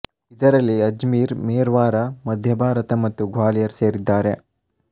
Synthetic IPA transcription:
id̪ɐɾɐlːiɐd͡ʒmiːɾmeːɾʋaːɾɐmɐd̪ʱjɐbʱaːɾɐt̪ɐmɐt̪ːuɡʱʋaːlijɐɾse̞ːɾid̪ːaːɾe̞

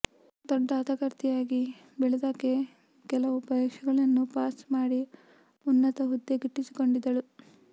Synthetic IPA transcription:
d̪ɔɖːaːt̪ɐɡɐɾt̪ijaːɡi | bɛɭed̪akːe̞ | kɛlɐʋupɐd̪eːkʂɐɡɐɭɐnːupaːsmaːɽi | unːɐt̪ɐɦud̪ːeɡiʈːisi̥ko̞ɳɖid̪ːɐlu

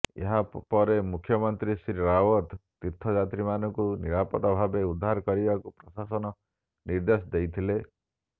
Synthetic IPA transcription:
ḛɦapɔɾemukʰːjɔmɔnt̪ɾisɾiɾawɔt̪t̪iɾt̪ʰɔd͡ʒat̪ɾimanɔŋkuniɾapɔt̪ɔbʱabeud̪ʱːaɾɔkɔɾibakupɾɔsasɔnɔ | niɾd̪esɔd̪ejt̪ʰile

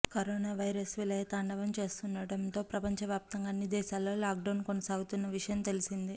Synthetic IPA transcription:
kɐɾoːnaːʋɐjɾɐsʋilɐjɐt̪aːɳɖɐʋɐmt͡ʃe̞ːst̪unːɐɽɐnt̪o̞ːpɾɐpɐɲt͡ʃɐʋjaːp̚t̪ɐŋɡaːnːid̪ɛːʃaːlːo̞ːlaːk̚ɖɐwnkonɐsaːɡut̪unːɐʋiʂɐjɐmt̪e̞lisind̪i

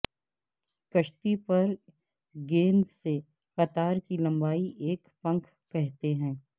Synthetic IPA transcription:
kɐʃt̪ipɐɾ | ɡẽːnd̪se | xɐt̪aːɾkilɐ̃mbaːiʔeːkpɐ̃ŋkʰ | kɛɦt̪eɦɛ̃ː

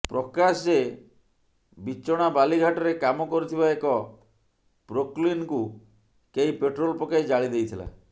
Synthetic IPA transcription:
pɾɔkasd͡ʒe | bit͡ʃːɔɽ̃abaliɡʱaʈɔɾekamɔkɔɾit̪ʰibaekɔ | pɾoklinku | keipeʈɾolpɔkajd͡ʒaɭid̪ejt̪ʰila̰

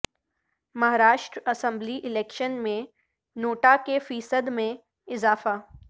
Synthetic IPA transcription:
mɐɦaːɾaːʃʈɾɐsə̃mbliʔɪlɛːkʃənmẽ | noːʈakefiːsəd̪mẽ | ɪzaːfa

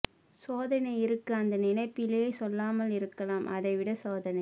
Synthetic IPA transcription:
soːðɐnɐɪɪɾɯkːɯɐnd̪ɐnɪnɐɪpːɪleeːsɔlːaːmɐlɪɾɯkːɐlaːmʔɐðɐɪʋɪɽɐsoːðɐnɐɪ

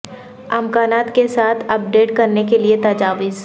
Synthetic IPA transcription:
ɐmkaːnaːt̪kesaːt̪ʰɐp̚ɖeːʈkɐɾnekeliet̪ɐd͡ʒaːʋɪz

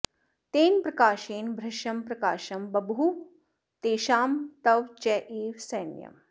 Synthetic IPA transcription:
t̪eːnpɾɐkaːʃeːnbʱɾɐʃɐmpɾɐkaːʃɐmbɐbɦu | t̪eːʃaːmt̪ɐʋt͡ʃɛʔiːʋsɐjnjɐ̰m

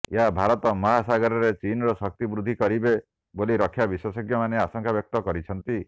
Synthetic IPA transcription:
eɦabʱaɾɔt̪ɔmɔɦasaɡɔɾɔɾet͡ʃinɔɾɔsɔk̚t̪ibɾud̪ʱːikɔɾibe | boliɾɔkʰːjabiswɔsɔɡjɔmaneasɔŋkʰabjɔk̚t̪ɔkɔɾit͡ʃʰɔnt̪i

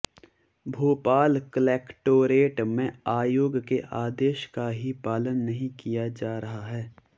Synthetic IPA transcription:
bʱoːpaːlklɛːkʈoːɾeːʈmẽaːjoːɡkeʔaːd̪eːʃkaɦipaːlənːɐɦĩkijad͡ʒaːɾɐɦaɦɛː

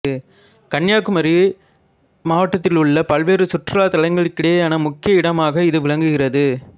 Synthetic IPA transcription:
ɯ | kɐɳjaːkːɯmɐɾi | maːʋɐʈːɐt̪ːɪlʊɭːɐpɐlʋeːɾɯsʊʈrɐlaːt̪ɐlɐɪŋɡɐɭɯkːɪɽeːaːnɐmʊkːɪjɐɪɽɐmaːɣɐɪðɯʋɪɭɐŋɡɯɣɪrɐðɯ

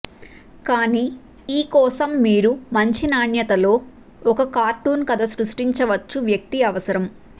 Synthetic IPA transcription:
kaːniː | iːkɔːsɐmːiːɾumɐɲt͡ʃinaːɳjɐt̪ɐlo̞ː | ɔkɐkaːɾʈuːnkɐd̪ʱɐsɾuʂʈiɲt͡ʃɐʋɐt͡ʃːuʋjɐk̚t̪iɐʋɐsɐɾɐm

